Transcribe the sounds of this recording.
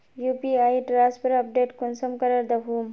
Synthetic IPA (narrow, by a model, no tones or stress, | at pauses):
juːpiaːiʈɾaːspʰɐɾɐp̚ɖeːʈkunsɐmkɐɾəɾd̪ɐɦuːm